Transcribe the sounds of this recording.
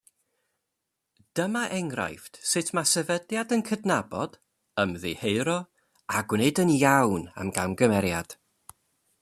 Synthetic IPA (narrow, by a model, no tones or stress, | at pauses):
d̥əmaʔɛŋra̰jftsɪtʰmasɛvədjadənkʰədnabɔd̥ | əmðḭheɨɾɔ | aɡwneɨdənjawna̰mɡawnɡəmɛɾja̰d̥